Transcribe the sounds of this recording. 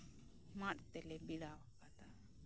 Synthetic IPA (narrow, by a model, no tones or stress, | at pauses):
maɗt̪ɛlɛbilawakat̪a